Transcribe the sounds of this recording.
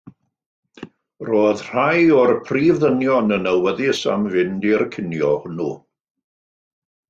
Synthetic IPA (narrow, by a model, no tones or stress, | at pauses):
roːðr̥ajɔrpʰriːvðənjɔnənəwəðɪsa̰mvɪndɪrkʰɪnjɔhʊnu